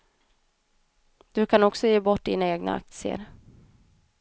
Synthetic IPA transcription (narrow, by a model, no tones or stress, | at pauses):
d̪̥ɵkʰanɔksɔjeːbɔʈːd̪ɪnaeːɡna̰a̰k̚t̪sɪə̰ɾ